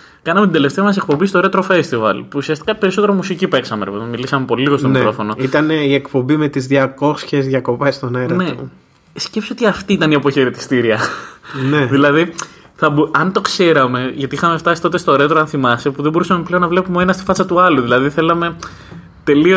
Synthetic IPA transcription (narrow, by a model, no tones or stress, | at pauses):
kɐnɐmet̪ind̪eleft̪e̞ɐmɐse̞k̚po̞bist̪oɾet̪eɾofe̞st̪ivɐ̰lpuːsiɐst̪i̥kɐpe̞ɾiso̞t̪eɾomusicipe̞ksɐmeɾepeðonmilisɐmepo̞liliɣost̪omɾo̞fo̞no̞it̪ɐniekpo̞bime̞t̪izðjɐko̞sçezðʝɐko̞pest̪o̞neɾne̞o | scpsoot̪iɐft̪iit̪ɐniɐpo̞çe̞ɾet̪i̥st̪iɾiɐneðilɐði | θɐboʔɐnt̪o̞kse̞ɾɐme̞ʝɐt̪iixɐme̞ft̪ɐsi̥t̪o̞t̪e̞st̪oɾet̪eɾoɐnθimɐsepuðebo̞ɾusɐme̞pleo̞nːɐvle̞pumee̞nɐst̪i̥fɐt͡sɐt̪uɐluðilɐðiθe̞lɐme̞ | t̪e̞lio